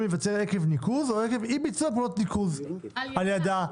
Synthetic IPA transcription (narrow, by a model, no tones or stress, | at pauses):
mevat͡seʁekevnikuzoekevibit͡sopulot̪nikuz | aljada